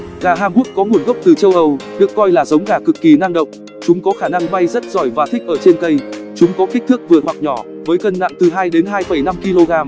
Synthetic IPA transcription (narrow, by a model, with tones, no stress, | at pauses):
ɣaː˨˩ɦaː˧ŋku˦˥ək̚kɔ˨˦ŋu˨˩ənɣə˦˥wp̚t̪ɨ˨˩t͡ɕə˧wʔə˧˩wɗɨ˨˩əkːɔ˧jlaː˨˩zə˨˦wŋ͡mɣaː˧˩kɨ˨˩kːi˨˩na˧ŋɗə̰˨wk͡p̚ | t͡ɕʊ˨˦ŋ͡mkɔ˨˦xaː˧˩na˧ŋɓa˧jzə˦˥t̚zɔ˧˩jvaː˨˩t̪ʰk̚ʔəː˧˩t͡ɕe˧nkə˧jt͡ɕʊ˨˦ŋ͡mkɔ˨˦ki˦˥k̟̚t̪ʰɨ˦˥ək̚vɨ˨˩əthwa˨˩k̚ɲɔ˧˩ | vəː˨˦jkə˧nna̰ː˧˨ŋt̪ɨ˨˩ɦaː˧jɗe˨˦nɦaː˧jfə˧˩jna˧mki˧lo˧ɣaː˧m